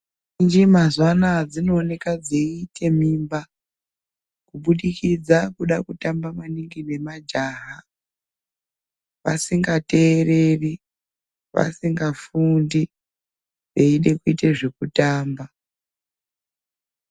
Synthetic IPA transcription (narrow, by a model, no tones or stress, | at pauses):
ind͡ʒimazwanad͡zino̞ːne̞kad͡zeːtʰe̞mimba | kuɓuɗikid͡zakuɗakutambamaniŋɡine̞mad͡ʒaːɦa | ʋa̰siŋɡate̞ːre̞ri | ʋa̰siŋɡafundi | ʋe̞iɗe̞kuiteʐe̞kutaːmba